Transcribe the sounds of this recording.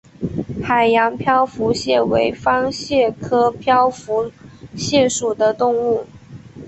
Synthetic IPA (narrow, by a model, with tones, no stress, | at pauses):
xa˨˩ɪjɑ˧˥ŋpʰjɑ˥ʊfu˧˥ɕjɛ˥˩we˧˥ɪfɑ˥ŋɕjɛ˥˩kʰɤ˥pʰjɑ˥ʊfu˧˥ɕjɛ˥˩ʂu˨˩d̪ə˦t̪ʊ˥˧ŋu˥˩